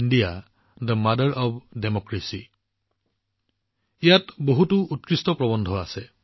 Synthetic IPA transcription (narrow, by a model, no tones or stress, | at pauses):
ndija | d̪əmadəɹʔɔbdemɔkɹesi | ijatboɦutuut̚kɹistɔpɹɔbɔndʱɔasɛ